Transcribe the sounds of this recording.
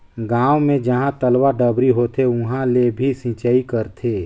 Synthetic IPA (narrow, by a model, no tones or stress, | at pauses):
ɡaːwmẽd͡ʒəɦãt̪əlwaɖəbɾiɦot̪ʰeʊɦãlebʱisɪ̃t͡ʃəikəɾt̪ʰeː